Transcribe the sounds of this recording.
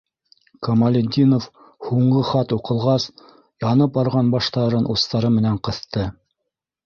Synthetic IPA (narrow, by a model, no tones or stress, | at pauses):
komɐlʲɪd̪ʲinof | huɴɢɤχɑt̪uqɤ̆lˠʁɑs | jɑnɤp̚bɑɾʁɑnbɑʃt̪ɑɾɤnʔust̪ɑɾɤmɘ̆næɴqɤ̆θt̪ɤ